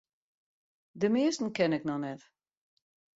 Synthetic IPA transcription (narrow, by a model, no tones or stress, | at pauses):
dəmɪəstn̩kɛnɪknɔnɛt